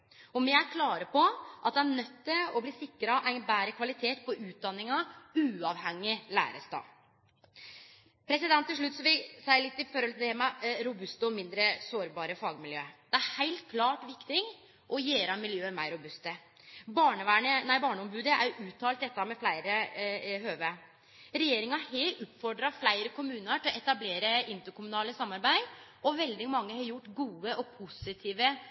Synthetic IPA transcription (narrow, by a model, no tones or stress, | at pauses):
ɔmɪæɾkʰlɑːɾəpɔʔɑt̪̚d̪ɛænœt̪ːəɔbliːsɪkːɾɑʔæɪnbæːɾəkʰʋɑlɪt̪ʰeːt̪̚pɔʉːt̪̚d̪ɑnːɪŋɑʉːɑʋhɛŋːɪlæ̰ːɾəst̪ɑ̰ː | pʰɾɛsɪd̪ɛnt̪ːɪlʂ̬ɭʉt̪ːsɔʋɪlsæɪlɪt̪ːɪfɔɾɔlt̪ʰemɑɾʊbʉst̪əɔmɪnd̪ɾəsoːɾbɑːɾəfɑːɡmɪljø̰ːd̪̥ɛæɾhæɪlt̪̚kʰlɑːʈʋɪkt̪ɪŋ | ʔɔjeːɾɑmɪljøːəmæɪɾʊbʉst̪ə | bɑːɳəʋæːɳənæɪbɑːɳəɔmbʉːd̪əæ̰ɾjʊʔʉːt̪ʰɑːlt̪d̪ɛt̪ːəhɑmɛflæɪɾəhøːʋə | ɾɛjeːɾɪŋɑheʔupfɔɖɾɑflæɪɾəkʰʊmʉːnəʈ̪ʰɪlɔʔɛt̪ɑbleːɾəɪnt̪əɾkʰʊmʉnɑːləsɑmɑɾbæɪd̪ʔɔʋɛld̪ɪmɑŋːəhɑɾjʊʈːɡuːəʔɔpʰʊsɪt̪ʰiːʋə